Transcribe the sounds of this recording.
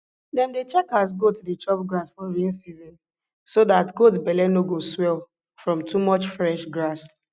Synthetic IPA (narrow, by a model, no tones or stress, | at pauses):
dɛ̃ndet͡ʃɛkas̬ɡotudet͡ʃɔbɡɹasfɔwĩnsizɔ̃n | sodatɡot̬bɛlɛnoɡoswɛl | fɹɔ̃mtʰumɔt͡ʃfɹɛʃɡɹas